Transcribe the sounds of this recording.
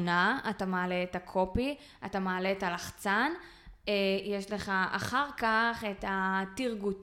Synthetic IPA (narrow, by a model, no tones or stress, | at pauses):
naatamaːleːtakʰo̞pi | atamaːle̞talaχt͡san | ejeʃle̞χaʔa̰χaʁkaχetatiʁɡut